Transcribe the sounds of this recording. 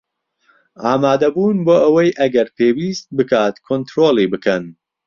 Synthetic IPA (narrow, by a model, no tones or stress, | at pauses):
ʔaːmaːd̪ɐbuːnboːʔɐwɐjʔɐɡɐɾpʰeːwiːst̪̚bɨkʰaːt̪kʰont̪ɾoːlˠiːbɨkʰɐn